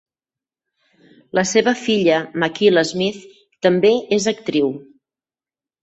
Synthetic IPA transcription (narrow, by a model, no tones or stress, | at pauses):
lʔəseβəfiʎəməkiləzmiθ | t̪əmbeezək̚t̪ɾiw